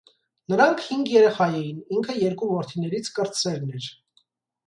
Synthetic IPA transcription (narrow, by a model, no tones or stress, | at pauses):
nəɾɑŋkʰhiŋɡjɛɾɛχɑjɛniŋkʰəjɛɾkuvɔɾt̪ʰinɛɾit͡sʰkəɾt͡sɛlnɛɾ